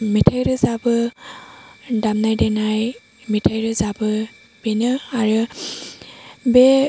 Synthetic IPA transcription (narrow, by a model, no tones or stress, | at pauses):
mitʰajɾɯzabɯ | damnajdenaj | mitʰajɾɯzabɯ | b̥enɯaɾɯ | be